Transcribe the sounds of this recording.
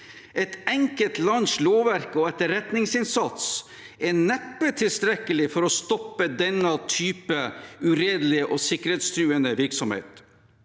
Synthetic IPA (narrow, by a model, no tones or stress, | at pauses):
ʔɛt̪ɛŋkət̪lɑnsloːʋæɾkɔɛt̪əɾɛt̪nɪŋsɪnsɑt̪s | ɛnɛpːət̪ʰɪlst̪ɾɛkəlɪfɔɾɔst̪ɔpːəd̪ɛnːət̪ʰyːpəʉɾeːd̪lɪəʔɔsɪkəɾhet̪st̪ɾʉːənəʋɪɾksɔmhḛːt̪